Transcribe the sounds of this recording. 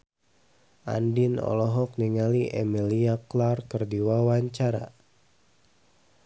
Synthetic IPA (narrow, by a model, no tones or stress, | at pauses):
ʔa̰ndinɔ̰lɔɦɔk̚niŋaliʔḛmiliaklarkərdiwawaɲt͡ʃaɾa̰